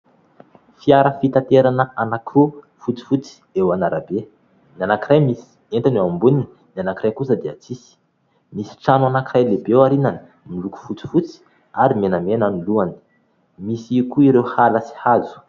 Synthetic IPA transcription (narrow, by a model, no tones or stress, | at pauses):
fiaɾəfit̪at̪eɾanəanakʰu | fut͡si̥fut͡si̥ewanaɾabe | nianakiɾajmisi̥ | ent̪anuambunininianakiɾajkusəd̪eat͡sisi̥ | misi̥ʈ͡ʂanuanakirajlebewaɾinani̥ | miluku̥fut͡si̥fut͡si̥ | aɾimenamenaniluani̥ | misikuiɾewhalasi̥hazu̥